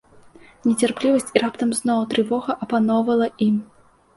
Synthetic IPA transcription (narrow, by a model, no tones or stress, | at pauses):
nʲɛt͡sʲarplʲivɐsʲt͡sʲirapt̪ɐmznɔwt̪ɾɨvɔɣɐʔɐpanɔwvɐlˠɐʔim